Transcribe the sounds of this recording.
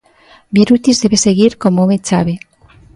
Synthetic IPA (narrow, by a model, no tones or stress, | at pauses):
beɾut̪izðeβeseɣiɾkomomet͡saβe